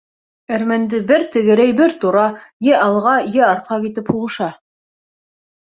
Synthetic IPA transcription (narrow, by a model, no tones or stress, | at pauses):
æɾmænd̪ɘbɘɾt̪ɘ̆ɡɘ̆ɾæjbɘɾt̪uɾɑjɘʔɑlˠʁɑjɘɑɾt̪̚qɑkit̪ɘphuʁɤ̆ʃɑ